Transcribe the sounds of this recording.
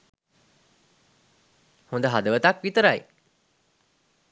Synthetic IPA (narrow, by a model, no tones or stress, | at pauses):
hũnd̪əɦad̪əʋət̪akʋit̪əɾaj